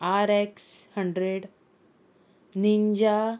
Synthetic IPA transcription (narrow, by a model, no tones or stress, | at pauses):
aɾekshəɳɖɾeɽ | niɲd͡ʑa